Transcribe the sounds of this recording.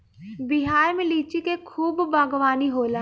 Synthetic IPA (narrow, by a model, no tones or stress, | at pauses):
bɪɦaːjmẽliːt͡ʃikekʰuːbːaːɡʋaːniɦoːlaː